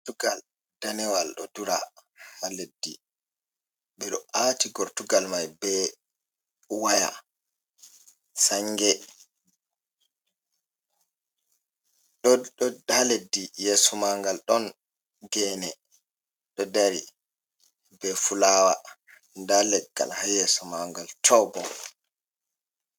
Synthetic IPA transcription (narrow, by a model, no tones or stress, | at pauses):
tuɡal | d̥anɛwalɗɔduɾahaledːi | ɓɛɗɔʔatiɡɔɾtuɡalmajbɛ | waja̰ | saŋɡɛ | ɗɔɗɔdaledːijɛsɔmaŋɡalɗɔn | ɡɛːnɛ | ɗɔdaɾi | bɛfulaːwa̰ | ndalɛɡ̥ːa̰lhajɛsɔmaŋɡaltʰɔbɔ